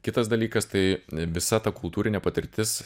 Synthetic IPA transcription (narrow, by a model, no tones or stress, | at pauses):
kʲɪt̪ɐsd̪ɐlʲiːkɐst̪ɐɪʋʲɪsɐt̪ɐkʊlˠt̪uːɾʲɪnʲɛpɐt̪ʲɪɾʲt̪ʲɪs